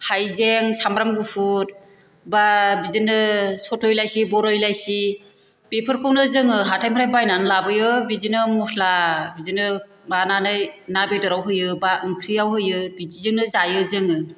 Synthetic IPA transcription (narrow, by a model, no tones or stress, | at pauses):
hajzeŋsamɾamɡupʰut̚ | babizinɯsɔtʰɔjlajsibɔɾɔjlajsi | pepʰɯɾkʰɯwnɯzɯŋɯɦatʰajmpʰɾajbajnanlabɯjɯbizinɯmɔsʰlabizinɯ | mananɯjnabedɔɾawɦɯjɯbaʔɯŋkʰɾiawɦɯjɯbid͡ʒizɯŋnɯzajɯzɯŋɯ